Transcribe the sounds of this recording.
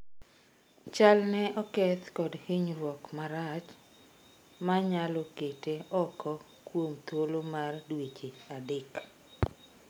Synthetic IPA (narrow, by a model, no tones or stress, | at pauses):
t͡ʃalnɛʔɔkɛt̪kɔdhiɲɾwɔkmaɾat͡ʃ | maɲalɔketeɔkʰɔ | kwomt̪wolomardwet͡ʃeadɪk